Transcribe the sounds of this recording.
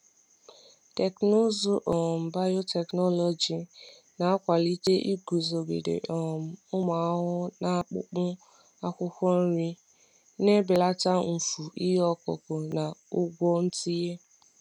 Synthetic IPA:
tɛ˨kno˦zo˦ʔɔ˨m̩˨ba˦jo˦tɛ˨knɔ˦lɔ˨d͡ʒi˨ | na˨a˦kʷa˨li˦te˦ʔi˦ɡu˨zo˨ɡḛ˨dḛ˨ʔɔ˨m̩˨ʊ˦ma˨˦ɦʊ˦na˦k͡pʊ̰˦k͡pʊ˦ | a˦kʷʊ˦kʷɔ˦n̩˦ɾi˦ | ne˦be˨la˦ta˦m̩˨fu˨i˦ɦɔ˦kɔ̰˨ko˨na˨ʊ˦ɡʷɔ˦n̩˦ti˦je˦

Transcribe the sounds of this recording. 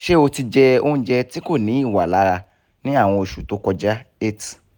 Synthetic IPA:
ʃe˦o˧ti˧d͡ʒɛ˧o̰˦ũ˦d͡ʒɛ˧ti˦ko˦˨nĩ˨˦i˦˨wa˨la˨˦ɾa˧ | nĩ˦a˦˨w̃ɔ̃˧i˨ʃu˨to˨˧˦kɔ˧d͡ʒa˦e˦t

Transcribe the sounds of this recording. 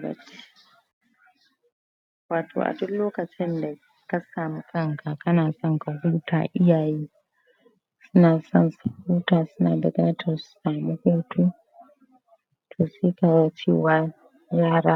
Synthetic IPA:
ɾɐ̰˨t͡ʃːi̥˦ | waː˨tʰo̰ː˨ʔa̰˨dʊ˦loː˦kɐ˨t͡ʃɪ˦nda˨ | ka˦saː˨mu˦kʰɐ˦ŋka˨kɐ˦naː˨sɔ˦ŋka˨huː˦ta̰ː˨ʔɪ˦jaː˨jiː˦ | sʊ˦naː˨sɔ˦nsa˨huː˦taː˨sʊ˦naː˨dɐ˨ɡɐ˦na˦tʰa˨sʊ̥˦saː˨mu˦hoː˦tʰu˦ | tʰoː˨se˦ka˨wa˦t͡ʃḭː˦wa˦ | jaː˦ɾa˦

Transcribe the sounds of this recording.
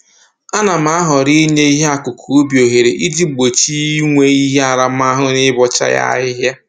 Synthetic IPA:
a˦na˨m̩˦a˦ɦɔ˨ɾi˦ɲe˦i˦ɦe˦a˨kʊ˨kʰu˨o˦bjo˨ɦe˨ɾe˨ʔi˦d͡ʒi˦˨ɡ͡bo˨t͡ʃi˦ŋʷe˦i˦ɦe˦a˨ɾa˨m̩˦a˦ɦʊ˦nɪ˦bɔ˨t͡ʃa̰˦ja̰˦ɪ˦ɦja˦

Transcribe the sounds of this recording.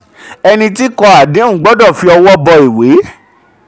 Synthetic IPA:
ɛ˧nĩ˧ti˦kɔ˧a˨dẽ˨˦ũ˦˨˦ɡ͡bɔ˦dɔ̃˦˨fi˧ɔ˧wɔ˦bɔ˧i˨we˨˦

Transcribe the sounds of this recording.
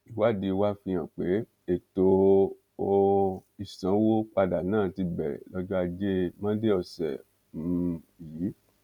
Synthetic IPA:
i˨wa˦˨di˧wa˦fĩ˧j̃ã˨k͡pe˨˦ | e˨to˧ | o˧i˦˨sã˨˦wo˦k͡pa˧da˨nãː˦˨ti˧bɛ̰˨lɔ˧˦d͡ʒɔ˦a˧d͡ʒe˦mã˦de˦ɔ˧˨sɛ̰˨ | mũ˦˧˨ | i˨˦

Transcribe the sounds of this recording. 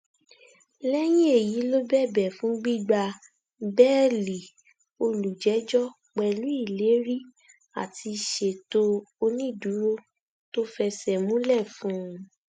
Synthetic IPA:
lɛ˦j̃ĩ˦e˦˨ji˨˦lo˦bɛ˦˨bɛ˨fũ˨˦ɡ͡bi˦˨ɡ͡ba˧ | bɛ˦˨li˨ | o˧lu˨d͡ʒɛ˨˦d͡ʒɔ˦ | k͡pɛ˧lu˨˦i˦˨le˨˦ɾi˦ | a̰˨ti˧ʃe˨to˦o˧nĩ˦˨du˨˦ɾo˦ | to˦fɛ˧sɛ˨mũ˦lɛ˦˨fũ˦˧

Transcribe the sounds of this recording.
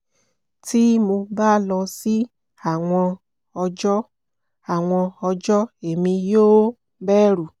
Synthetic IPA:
ti˦mo˧baː˦lɔ˧si˦ | a˨w̃ɔ̃˧ | ɔ˧d͡ʒɔ˦ | a˨w̃ɔ̃˧ɔ˧d͡ʒɔ˦e˨mĩ˧joː˦ | bɛː˦ɾu˨

